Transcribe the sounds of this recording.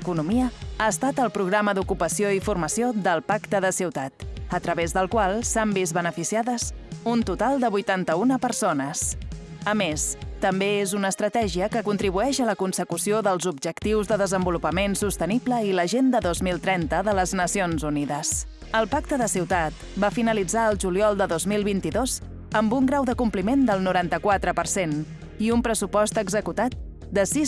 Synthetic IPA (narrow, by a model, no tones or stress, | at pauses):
kunumiəaəst̪at̪əlˠpɾuɣ̞ɾaməd̪ukupəsioifurməsiod̪əlˠpakt̪əðəsiwt̪at̪ət̪ɾəβezðəlˠkwalˠsambizβənəfisiaðəsunt̪ut̪alˠd̪əβujt̪ant̪əunəpərsonəsəmest̪əmbeezunəːst̪ɾət̪ɛʒiəkəkunt̪ɾiβuɛʃələkunsəkusioðəlˠzubʒəkt̪iwzðəðəzəmbulupəmensust̪ənibləiləʒend̪əðozmilˠt̪ɾɛnt̪əðələznəsionzuniðəs | əlˠpak̚t̪əðəsiwt̪at̪ | bafinəlid͡zaəlˠʒuliɔlˠd̪əðozmilˠβint̪iðoz̥ | əmbuŋɡɾawðəkumplimend̪əlˠnuɾant̪əkwat̪ɾəpəɾsen | iumpɾəsupɔst̪əɡzəkut̪at̪̚ | d̪əsis